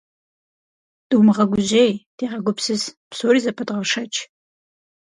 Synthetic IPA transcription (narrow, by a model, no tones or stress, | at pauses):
d̥ɨwmɨʁɐɡʷʊʑejd̥eːʁɐɡʷʊpsɨspsoːriːzɐpʰɐdʁɐʂɐt͡ʃʰʼ